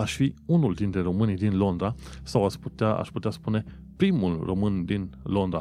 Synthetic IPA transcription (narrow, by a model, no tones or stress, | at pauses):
aʃfiunuld̪int̪ɾe̞ɾo̞mɨnd̪inlo̞nd̪ɾasawasput̪eaa̰ʃput̪easpune̞ | pɾimulro̞mɨnd̪inlo̞nd̪ɾa